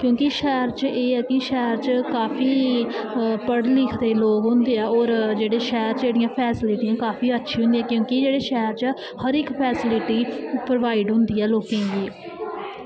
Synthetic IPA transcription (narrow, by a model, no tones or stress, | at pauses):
kjõːkɪʃɛːəɾt͡ʃʔeːɛːkɪʃɛːɾt͡ʃkaːfʰiː | pəɽlɪkʰd̪eːloːkɦʊ̃nd̪eːɛːɔːɾd͡ʒeːɽeːʃɛːɾd͡ʒeːɽijãːpʰɛːsɪlɪʈijãːkaːfiːətːʃʰĩːɦʊ̃nd̪ijãːkjõːkid͡ʒeːɽeːʃɛːəɾt͡ʃ | həɾɪkpʰɛːsɪlɪʈiːpɾəʋaːɪɖɦʊ̃nd̪iːɛːloːkẽːɡiː